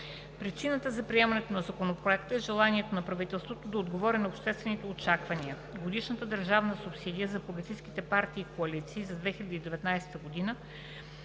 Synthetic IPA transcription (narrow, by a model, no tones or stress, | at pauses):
pɾit͡ʃinət̪əzɐpɾiɛmɐnɛt̪onɐzɐkonopɾoɛkt̪əɛʒɛlˠaniɛt̪onɐpɾɐvit̪ɛlˠst̪vot̪od̪ɐod̪ɡovɔɾɛnɐopʃt̪ɛst̪vɛnit̪ɛot͡ʃakvɐniə | ɡod̪iʃnət̪əd̪əɾʒavnəsʊpsid̪ijəzɐpoɡət̪ijskit̪ɛpaɾt̪iːkoɐlit̪siːzɐd̪vɛxilʲəd̪id̪ɛvɛt̪najsɛ̥t̪əɡod̪inə